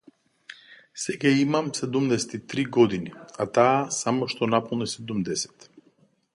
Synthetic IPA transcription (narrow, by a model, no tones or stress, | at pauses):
sɛɡaimamsɛd̪umd̪ɛsɛ̥t̪it̪ɾiɡɔd̪iniat̪aːsamɔʃt̪ɔnapɔlˠnisɛd̪umd̪ɛsɛ̥t̪